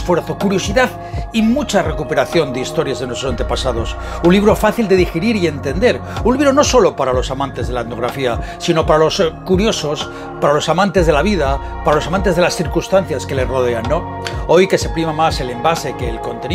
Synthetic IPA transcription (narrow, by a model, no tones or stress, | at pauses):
fwe̞ɾθo̞kuɾjo̞siðað | imut͡ʃare̞kupe̞ɾaθjo̞nd̪eist̪o̞ɾjazðenwet̪ɾosant̪epasað̞o̞s | unliβɾo̞faθild̪e̞ðixeɾiɾie̞nt̪e̞nd̪e̞ɾunliβɾono̞so̞lo̞paɾalo̞samãnt̪e̞zðelat̪no̞ɣɾafiasino̞paɾalo̞skuɾjo̞so̞s | paɾalo̞samãnt̪e̞zð̞e̞laβið̞a | paɾalo̞samãnt̪e̞zð̞e̞lasθiɾkunst̪anθjaske̞le̞ro̞ð̞e̞anːõ | o̞jke̞se̞pɾimamase̞le̞mbase̞ke̞ːlko̞nt̪e̞n